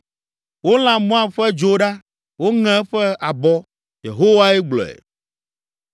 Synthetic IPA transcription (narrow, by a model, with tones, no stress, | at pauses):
wo˦l̃ã˨mɔ̃˦ã˦ɸɛ˦d͡ʒo˦ɖa˦ | wo˦ŋɛ̃˦ɸɛ˦a˨bɔ˦ | jḛ˨ɦo˦wa˦ɛ˦ɡ͡blɔ̰˨ɛ̰˨